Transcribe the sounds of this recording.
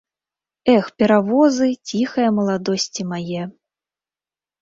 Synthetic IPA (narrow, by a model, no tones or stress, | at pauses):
ɛxpʲɛɾavɔzɨt͡sʲixɐjɐmɐlˠad̪ɔsʲt͡sʲimajɛ